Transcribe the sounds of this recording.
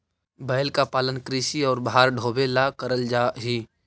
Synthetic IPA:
bəːjlkapaːlənkɾiːʃiɔːɾbɦaːɾɖʱoːbelakəɾəld͡ʒaːɦiː

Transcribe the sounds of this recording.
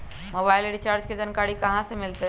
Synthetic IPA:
mobailɾit͡ʃaɾd͡ʒked͡ʒənkaɽikəɦãsemilt̪e

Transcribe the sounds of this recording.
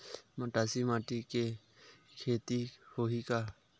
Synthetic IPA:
məʈaːsimaːʈike | kʰeːt̪ihoːɦika

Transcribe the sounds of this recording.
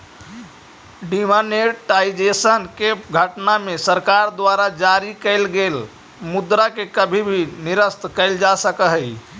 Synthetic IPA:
ɖimaneʈaid͡ʒesənkeɡʱəʈnamesəɾkaɾd̪waɾad͡ʒaɾikəɪlɡel | mud̪ɾakekəbʱibʱiniɾəst̪kəɪld͡ʒasəkəɦəi

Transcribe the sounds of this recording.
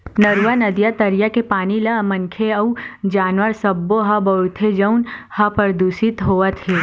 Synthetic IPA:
nɐɾuʋanɐd̪jat̪ɐɾijakepaːnilɐmɐ̃ŋkʰeɐud͡ʒaːnʋəɾsɐbːoɦɐbɐʊt̪ʰed͡ʒɐunhɐpəɾd̪uːsit̪ɦoːət̪ɦeː

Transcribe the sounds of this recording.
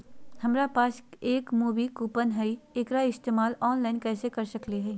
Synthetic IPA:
hɐmɾapaːseːkmuːʋikuːpənɦɛieːkɾaɪst̪eːmaːlɔːnlaːɪnkɛːsekɐɾsɐkleɦɛi

